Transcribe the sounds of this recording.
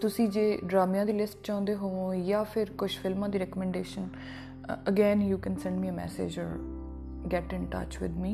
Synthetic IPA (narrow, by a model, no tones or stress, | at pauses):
t̪ʊsĩːd͡ʒeːɖɾaːmjãːd̪iːlɪsʈ̚t͡ʃãːʊ̃nd̪eːɦoːõjaːpʰɪɾkʊʃfʰɪlmãːd̪iːɾɛːkəmɛ̃ɳɖeːʃən | əɡɛːnjuːkɛ̃nsɛ̃ɳɖmiːəmɛ̰ːsḛːd͡ʒɔ̰ːɾ | ɡɛʈɪ̃ɳʈa̰ːt͡ʃʋɪ̰d̪miː